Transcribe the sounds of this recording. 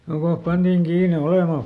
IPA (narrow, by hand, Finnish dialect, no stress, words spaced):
jokoh pɑntiːŋ kiːne olemɑˑ